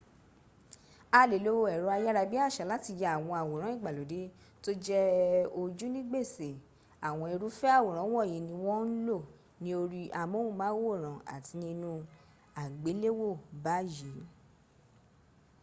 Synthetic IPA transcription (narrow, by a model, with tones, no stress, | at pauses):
a˧le˨lo˦wo˧ɛ˨ɾo˨˧a˧ja˦ɾa˧bi˦a˦˨ʃa˨˦la˦ti˧jɛ˧a˨w̃ɔ̃˧a˨wo˨ɾ̃ã˨˦ĩ˦˨ɡ͡ba˨lo˨˦de˨˦ | to˦d͡ʒɛ˦o˧d͡ʒu˦nĩ˦ɡ͡be˦˨se˨ | a˨w̃ɔ̃˧i˧ɾu˨˦fɛ˦a˦˨wo˨ɾ̃ã˨˦wɔ̃˦˨jĩ˨nĩ˧w̃ɔ̃˦n̩˦lo˦˨ | nĩ˦o˧ɾi˧ʔa˧mõ˦wũ˦mãː˨˦wo˦˨ɾ̃ã˨a̰˨ti˧nĩ˧nũ˧ | a˨ɡ͡be˨˦le˦wo˦˨ba˨˦ji˨˦